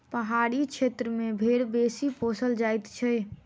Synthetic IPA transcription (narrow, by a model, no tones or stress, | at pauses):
pəɦaɽit͡ʃʰet̪ɾəmebʱeɾbesiposəld͡ʒajt̪t͡ʃʰɛ